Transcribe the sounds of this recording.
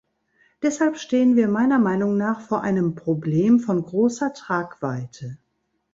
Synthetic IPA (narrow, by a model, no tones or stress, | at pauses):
d̥ɛshalpʃteːənviːɐmaɪnɐmaɪnʊŋnaːχfoːɐʔaɪnəmpʁ̥obleːmfɔnɡʁoːsɐtʁ̥aːkv̥aɪtʰə